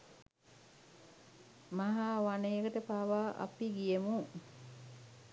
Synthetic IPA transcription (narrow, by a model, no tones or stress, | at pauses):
maɦaːʋanejekəʈəpaːʋaːʔa̰piɡijemu